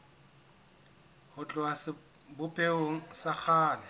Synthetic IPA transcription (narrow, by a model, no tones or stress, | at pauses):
hʊt͡ɬʼʊasɪ | bʊpʼeoŋ̩sak͡xʰaːlɛ